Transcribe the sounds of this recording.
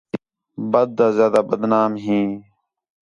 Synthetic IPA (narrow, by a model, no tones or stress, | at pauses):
bəd̪̚ːaːzjaːd̪aːbəd̪naːmɦĩː